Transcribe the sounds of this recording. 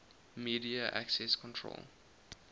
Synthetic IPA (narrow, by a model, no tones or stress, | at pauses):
miːdiəʔæ̰ksɛskʰɔ̃ntʰɹo̰l